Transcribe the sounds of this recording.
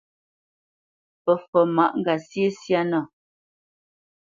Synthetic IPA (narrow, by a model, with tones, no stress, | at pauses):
pə˨fɔ˨ma˨ʔŋ̩˦ɡa˨sje˦sja˦nɔ˦˨